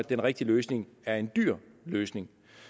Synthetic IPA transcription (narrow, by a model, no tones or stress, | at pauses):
æd̥enʁɛɡ̥̚d̥iløːsne̝ŋæɐe̝nd̥yɐ̰ | løːsne̝ŋ